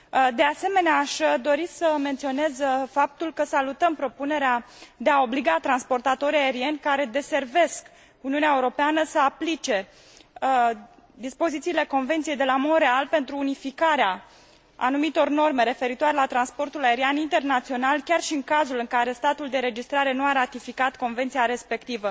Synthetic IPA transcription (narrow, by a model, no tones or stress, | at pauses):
d̪e̞ase̞me̞neaːʃd̪o̞ɾisəme̞nt̪sio̞ne̞zfap̚t̪ulkəsalut̪əmpɾo̞pune̞ɾead̪e̞ao̞bliɡat̪ɾanspo̞rt̪at̪o̞ɾijae̞ɾie̞nʲkaɾe̞d̪e̞se̞rve̞sk | uniuneaeuɾo̞peanəsəaplit͡ʃe̞ | d̪ispo̞zit̪siːle̞ko̞nvent̪siejd̪e̞lamo̞d̪ɾe̞alpe̞nt̪ɾuːnifikaɾea | a̰numit̪o̞rno̞rme̞ɾe̞fe̞ɾit̪oaɾe̞lat̪ɾanspo̞rt̪ulae̞ɾianint̪e̞rnat̪sio̞nalkʲarʃiɨŋkazulɨŋkaɾe̞st̪at̪uld̪e̞ɾe̞d͡ʒist̪ɾaɾe̞nuaɾat̪ifikat̪ko̞nvent̪sijaɾe̞spe̞kt̪ivə